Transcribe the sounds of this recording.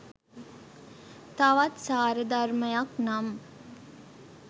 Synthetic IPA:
t̪aʋat̪saːɾəd̪arməjaknam

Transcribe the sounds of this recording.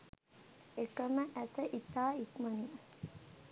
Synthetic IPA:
ekəməʔæsəʔit̪aːikmɐni

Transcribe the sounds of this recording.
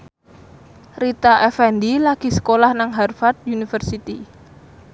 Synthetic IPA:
rit̪aʔɛfɛndilaɡ̥isə̥kolahnaŋɦɛrfat̪̚junifərsit̪i

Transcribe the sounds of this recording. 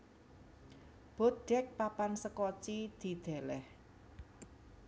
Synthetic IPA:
b̥oɖ̪̥ɛ̤k̚papansəkɔt͡ʃid̪̥i̤d̪̥ɛ̤lɛh

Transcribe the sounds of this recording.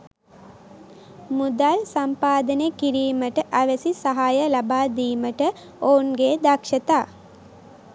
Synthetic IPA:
mud̪alsampaːd̪ənekiɾiːməʈəʔæʋesisɐɦaːjəlabaːd̪iːməʈə | oːnɡeːd̪akʃət̪aː

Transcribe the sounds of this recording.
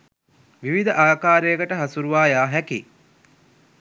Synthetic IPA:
ʋiʋid̪əʔaːkaːɾejəkəʈəɦɐsuɾuʋaːjaːɦækḭ

